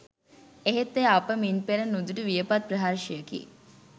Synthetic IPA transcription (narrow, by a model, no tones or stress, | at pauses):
eɦet̪ːeapəminpeɾənːud̪uʈəʋijəpat̪̚pɾəɦaɾʃijəkḭ